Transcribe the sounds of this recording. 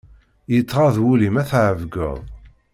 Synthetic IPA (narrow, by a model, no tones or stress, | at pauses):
jət͡sːʁɑðwulimæθʕəvɡə̰ðˤ